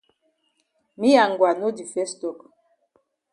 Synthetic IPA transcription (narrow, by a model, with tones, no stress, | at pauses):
mi˦ja˨ŋɡwa˨no˦di˨fɛ˦stɔ˨k